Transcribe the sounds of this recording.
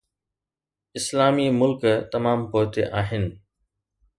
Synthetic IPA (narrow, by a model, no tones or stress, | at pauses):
ɪslaːmimʊlkt̪ɐmaːmpoːt̪ḛʔaːɦɪnɪ̆